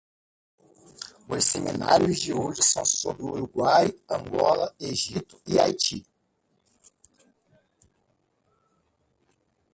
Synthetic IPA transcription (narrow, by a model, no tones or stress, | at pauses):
ʊjsemḭna̰ɾjʊzd͡ʒioʒɪsɐ̃w̃sobɾɪuɾuɡwajɐ̃ŋɡɔlɐeʒit̪ʊ̥iajt͡ʃi